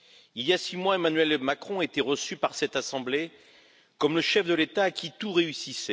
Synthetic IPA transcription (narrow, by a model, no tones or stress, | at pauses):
iljasimwaemanɥɛlmakχɔ̃et̪eʁəsypaʁsɛt̪asɑ̃ble | kɔmləʃɛfd̪əlet̪aːkʲit̪uʁeysisɛ